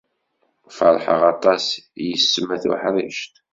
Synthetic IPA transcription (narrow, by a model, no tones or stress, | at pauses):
fəɾˤħə̰ʁɑt̪ˤɑsjəsːəmæθṵħɾˤḭʃt̪